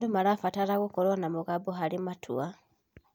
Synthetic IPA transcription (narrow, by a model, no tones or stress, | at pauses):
dumalafataɾaɣukolonamuɣaboɦalimatʰṵa